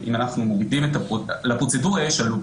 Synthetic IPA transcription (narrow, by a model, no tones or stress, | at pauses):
ʔḭmanaχnumovidimet̪alapʁot͡seduʁjɛʃalu